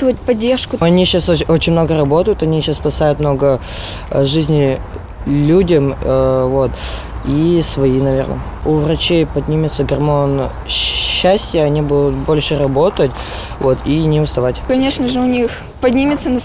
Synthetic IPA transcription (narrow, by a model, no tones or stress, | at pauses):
t̪vət̚ʲpɐdʲːerʂkʊɐnʲiɕasoo̞t͡ɕɪnʲmno̞ɡəɾɐbo̞t̪əjʊt̪ɐnʲiɕasspɐsajʊt̪mno̞ɡə | ʐɨzʲnʲɪ | lʲudʲəmvo̞t̪ | isvɐinɐvʲe̞rnə̰ | ʊvrɐt͡ɕejpɐdʲnʲimʲɪt̪səɡɐrmo̞n | ɕːæsʲtʲɪjəɐnʲibud̪ʊt̪̚bo̞lʲʂɨɾɐbo̞t̪ətʲ | vo̞t̪ʰinʲɪʊst̪ɐvatʲkɐnʲeʂnəʐɨʊnʲix | pɐdʲnʲimʲɪt̪sənɐ